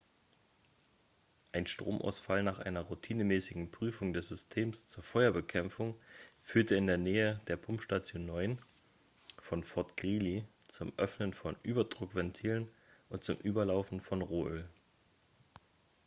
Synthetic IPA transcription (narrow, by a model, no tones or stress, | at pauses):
ʔaɪnʃtʁ̥o̰ːmʔa̰ʊsfalnaːχʔa̰ɪnɐʁutʰiːnəmɛːsɪɡŋ̩pʁ̥yːfʊŋdɛsz̥ʏstʰeːmst͡suːɐfɔʏɐbəkʰɛmfʊŋfyːɐtəɪndeːɐneːədeːɐpʰʊmpʃtat͡sjoːnːɔʏn | fɔnfɔɐtɡ̥ʁiːli | t͡sʊmʔœfnənfɔnʔyːbɐdʁʊkv̥ɛntʰiːlən | ʔʊnt̚t͡sʊmʔyːbɐlaʊfn̩fɔnʁoːʔøːl